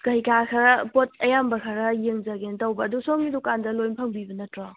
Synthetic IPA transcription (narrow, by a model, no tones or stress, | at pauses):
kɐjkakʰɐɾɐpot̚ɐjambɐkʰaɾɐjeŋzɐɡentɐwbɐːdusoŋnidɔkandɐlojnpʰɐŋbibɐnɐtɾɔ